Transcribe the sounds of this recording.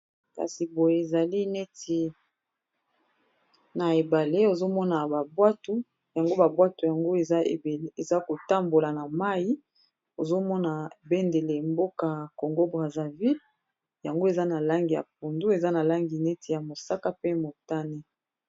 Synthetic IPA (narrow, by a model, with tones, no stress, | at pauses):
ka̰˨si˨bo˨je˨e˨za˨li˦ne˦ti˨ | na˨e˨ba˨le˦o˨zo˦mɔ˦na˨ba˨bwa˦tu˦ | ja˨ŋɡo˦ba˨bwa˦tu˨ja˨ŋɡo˦e˨za˦e˨be˨˦e˨za˦ko˨ta˦mbo˨la˨na˨ma˦ji˦ | o˨zo˦mɔ˦na˨be˦nde˨le˨mbo˦ka˨ko˨ŋɡo˦bʁa˨za˨vi˦l | ja˨ŋɡo˦e˨za˦na˨la˦ŋɡi˨ja̰˨p̚u˨ndu˦e˨za˦na˨la˦ŋɡi˨ne˦ti˨ja˨mo˨sa˦ka˦pe˦mo˨ta˦ne˦